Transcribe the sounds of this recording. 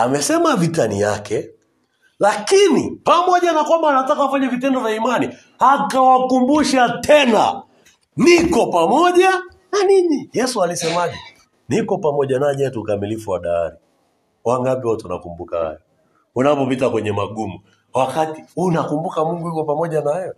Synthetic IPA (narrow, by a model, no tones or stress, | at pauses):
amɛsɛmavitanijakɛ | lakinipamɔʄanakwambaːnatakawafaɲavitɛndɔvaimani | hakawakumbuʃatʰɛna̰ | nikɔpamɔʄa | naninijɛsualisɛmaʄɛ | nikɔpamɔʄanaɛɲɛtukamilifuwaɗa̰ːɾi | waŋɡapiɔtuna̰kumbukaha̰jɔ | unapɔpitakwɛɲɛmaɡumu | wakatiunakumbukamuŋɡujukɔpamɔʄanaajɔ